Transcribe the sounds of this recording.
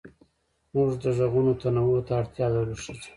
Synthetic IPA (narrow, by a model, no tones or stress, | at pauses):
muʐd̪əʐaɣunot̪anawot̪aːɽt̪jɑd̪aɾuʃit͡ʃi̥